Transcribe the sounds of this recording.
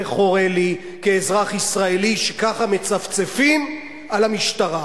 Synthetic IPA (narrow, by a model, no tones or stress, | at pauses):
eχo̞ʁeli | keːzʁaχisʁaeliʃekaχame̞t͡saft͡sefim | alamiʃtaʁa